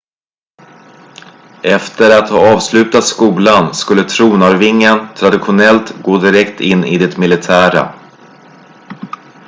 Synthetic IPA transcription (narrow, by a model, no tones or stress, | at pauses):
ɛft̪əɾat̪hɑːɑːvslʉ̟ːt̪at̪skuːlanskɵlːət̪ʰɾuːnaɾvɪŋːənt̪ʰɾad̪ɪɧʊnɛlt̪ɡoːd̪ɪɾɛkt̪ʰɪnːɪd̪ɪt̪mɪlɪt̪ʰæːɾa̰